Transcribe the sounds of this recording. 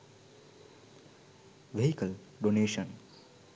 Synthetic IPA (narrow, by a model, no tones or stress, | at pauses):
ʋeɦikəl | ɖoneːʃən